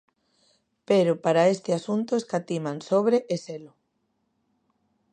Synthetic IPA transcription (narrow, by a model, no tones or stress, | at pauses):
peɾʊpaɾaest̪ɪasunt̪ʊeskat̪imansoβɾeʔeselʊ